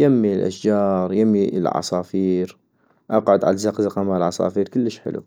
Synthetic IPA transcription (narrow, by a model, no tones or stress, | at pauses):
jamːilʔa̰ʃd͡ʒɑːɾˤjamːilʕɑ̰sˤɑːfiːɾ | ʔɑqʕʊd̪ʕa̰lzaqzaqamalʕɑsˤɑ̰ːfiːɾkəlːəʃħɪ̰lʔṵ